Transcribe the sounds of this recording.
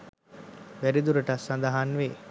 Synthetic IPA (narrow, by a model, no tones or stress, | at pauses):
ʋæɾid̪uɾəʈasːand̪aɦanʋeː